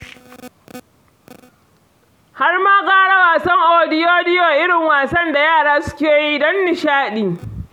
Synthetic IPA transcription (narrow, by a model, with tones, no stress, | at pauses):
ha˦rmaː˦ɡʼaː˦ɽa˦waː˨sɐ˦ŋʔoː˨dɪ˦joː˦dɪ˦joː˨ʔɪ˦ɽɪ˨ŋwaː˨sɐ˦nda˨jaː˦˨ɽaː˦sʊ̥˦kʲeː˨ji˦dɔ˦nːɪ˨ʃaː˦ɗiː˨